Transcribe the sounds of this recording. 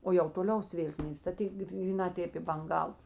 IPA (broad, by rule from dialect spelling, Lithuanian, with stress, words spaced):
oː jɛʊ toːˈlʲɛʊs ˈʋʲeːlˠ ˈsʲmʲeːlʲɪs tɐ ˈtʲeːk ɡrʲiːˈnɑː ˈtʲeːp ɪ bɐŋˈɡɐw